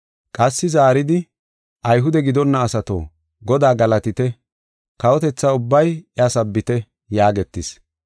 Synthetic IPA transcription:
kʼɐsːɪzaːɾɪd̪ɪ | ʔɐjɦʊd̪ɛɡɪd̪ɔnːɐːsɐt̪o̰ː | ɡɔd̪aːɡɐlɐt̪ɪt̪ɛ | kɐwɔt̪ɛt͡sːaːʊbːɐjɛɐsɐbːɪt̪ɛ | jaːɡɛt̪ːɪs

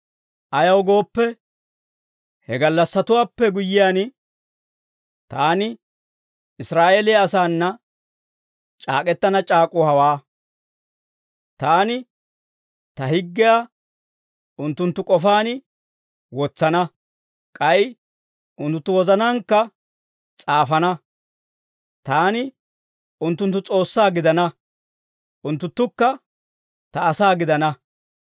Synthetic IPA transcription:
ʔɐjɐwɡo̞ːpːɛ | hɛɡɐlːɐsːɐt̪ʊwaːpːɛɡʊjːɪjaːn | t̪aːnɪ | ɪsɾaːʔeːlɪɐsaːnːɐ | t͡ʃʼa̰ːkʼɛt̪ːɐnɐt͡ʃʼaːkʼʊhɐwaː | t̪aːnɪ | t̪ɐhɪɡːɪja | ʊnt̪ːʊnt̪ːʊkʼɔfaːnɪ | wɔt͡sːɐnɐ | kʼɐj | ʔʊnt̪ːʊt̪ːʊwɔzɐnɐŋkːɐ | t͡sʼaːfɐnɐ | t̪aːnɪ | ʊnt̪ːʊnt̪ːʊt͡sʼo̞ːsːaːɡɪd̪ɐnɐ | ʔʊnt̪ːʊnt̪ːʊkːɐ | t̪ɐːsaːɡɪd̪ɐnɐ

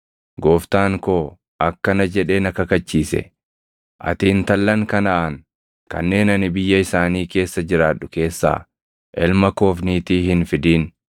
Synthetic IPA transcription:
ɡo̞ːft̪aːŋko̞ː | ʔɐkːɐnɐd͡ʒɛᶑe̞ːnɐkɐkɐt͡ʃːiːsɛ̰ | ʔɐ̰t̪iːnt̪ɐlːɐŋkɐnɐʔɐŋ | kɐ̰nːe̞ːnɐnɪbɪjːɐɪsaːniːke̞ːsːɐd͡ʒɪɾaːᶑːʊke̞ːsːa̰ː | ʔɛlmɐko̞ːfniːt̪iːhɪnfɪd̪iːn

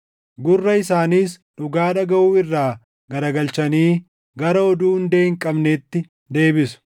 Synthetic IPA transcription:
ɡʊrːɐɪsaːniːsᶑʊɡaːᶑɐɡɐʔuːɪrːaː | ɡɐɾɐɡɐlt͡ʃɐniː | ɡɐɾɐɔd̪uːʊnd̪e̞ːɪŋkʼɐbneːt̪ːɪ | d̪e̞ːbɪsʊ̥

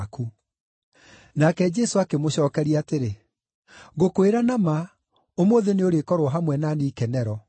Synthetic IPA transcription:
ku | nakɛd͡ʒɛsoakemoɕɔːkɛɾiateɾe | ɣokoeɾanama | omoːðeneoɾekɔɾoɔɦamwɛnaniːkɛnɛɾɔ

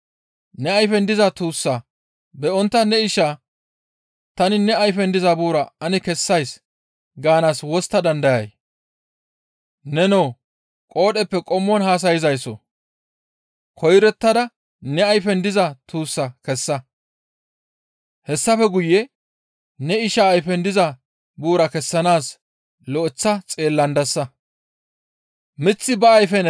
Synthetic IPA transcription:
nɛɐjfɛnd̪ɪzɐt̪uːsːɐ | bɛɔnt̪ːɐnɛɪʃaː | t̪ɐnɪnɛɐjfɛnd̪ɪzɐbuːɾɐɐnɪkɛsːɐjs | ɡaːnaːswɔst̪ːɐd̪ɐnd̪ɐjɐj | nɛnoː | kʼo̞ːɗɛpːɛkʼɔmːɔnhaːs̬ɐjɪzɐjsɔ̰ | kʰɔjɾɛt̪ːɐd̪ɐ | nɛɐjfɛnd̪ɪzɐt̪ʰuːsːɐkɛsːɐ | hɛsːɐfɛɡʊjːɛ | nɛɪʃɐːjfɛnd̪ɪzɐ | buːɾɐkɛsːɐnaːs | lɔʔɪt͡sːɐt͡sʼe̞ːlːɐnd̪ɐsːɐ | mɪt͡sːɪbɐːjfɛn

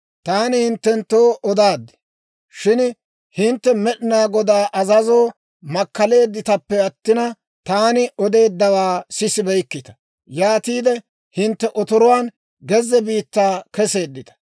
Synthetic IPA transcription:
t̪aːnɪhɪnt̪ːɛnt̪ːoːʔɔd̪aːd̪ːɛ̥ | ʃɪn | hɪnt̪ːɛmɛɗɪnaːɡɔd̪aːʔɐzɐzoː | mɐkːɐle̞ːd̪ːɪt̪ɐpːɛɐt̪ːɪnɐ | t̪aːnɪʔɔd̪e̞ːd̪ːɐwaːsɪsɪbɛjkːɪt̪ɐ̥ | jaːt̪iːd̪ɛ | hɪnt̪ːɛʔɔt̪ɔɾɔwaːn | ɡɛzɛbiːt̪ːaːkɛse̞ːd̪ːɪt̪ɐ̥

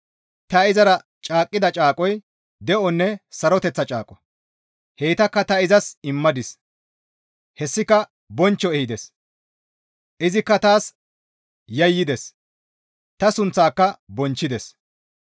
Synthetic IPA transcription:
t̪ɐɪzɐɾɐ | t͡ʃʼaːkʼːɪd̪ɐt͡ʃʼaːkʼɔj | d̪ɛʔɔnːɛsɐɾɔt̪ɛt͡sːɐt͡ʃʼa̰ːkʼɔ | heːt̪ɐkːɐt̪ɐɪzɐsɪmːɐd̪ɪs | hɛsːɪkɐ | bɔnt͡ʃːɔɛhɪd̪ɛs | ʔɪzɪkːɐt̪aːs | jɐjːɪd̪ɛs | t̪ɐsʊnt͡sːaːkːɐbɔnt͡ʃːɪd̪ɛs

